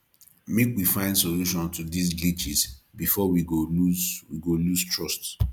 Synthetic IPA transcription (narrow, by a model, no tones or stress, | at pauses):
mekwifãɪ̃ndsoluʃɔ̃ntudis̬ɡit͡ʃisbifɔwiɡoluzwiɡolustɹɔst